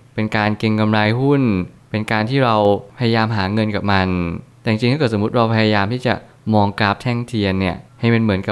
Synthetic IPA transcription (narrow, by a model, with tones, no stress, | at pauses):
pe˧nkaː˧nke˧ŋka˧mɾaː˧jɦu˥˩npe˧nkaː˧nt̪ʰiː˥˩ɾa˧wpʰa˧ja˧jaː˧mɦaː˩˦ŋɤ˧nkaː˨˩p̚ma˧nt̪ɛ˨˩ja˨ŋt͡ɕi˧ŋt̪ʰa˥kɤː˨˩t̪̚so˩˦u˦˥t̪̚ɾa˧wpʰa˧jaː˧jaː˧mt̪ʰiː˥˩t͡ɕa˨˩ʔ | mɔː˧ŋkɾa˦˥p̚t̪ʰɛ˥˩ŋt̪ʰi˧ənːi˥˩ɐha˥˩jme˧nmɯ˩˦ənka˨˩